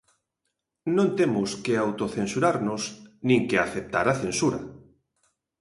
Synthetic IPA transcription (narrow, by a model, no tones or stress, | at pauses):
nõnt̪emʊskeawt̪oθensuɾaɾnʊsnĩŋkeaθep̚t̪a̰ɾaθensuɾa̰